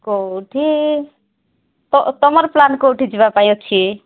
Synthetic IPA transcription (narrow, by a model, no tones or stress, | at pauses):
koʈʰi | t̪ɔt̪ɔmʌɾplankowʈʰid͡ʒibapaj̃ot͡ʃʰi